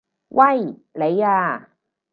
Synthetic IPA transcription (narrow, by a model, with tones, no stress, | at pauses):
wʔɐ˥˩jle˨˧jaː˧